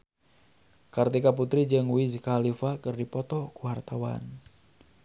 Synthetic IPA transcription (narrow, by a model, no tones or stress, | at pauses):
kart̪ikaput̪ɾid͡ʒɨŋuwizkalifakɨrdipɔt̪ɔkuwart̪awa̰n